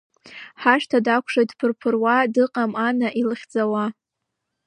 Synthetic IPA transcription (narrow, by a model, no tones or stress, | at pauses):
ħaʂtʰadakʷʰʂojtpʰɨrpʰɨrwadɨqʼamanaʔilɨχʲd͡zawa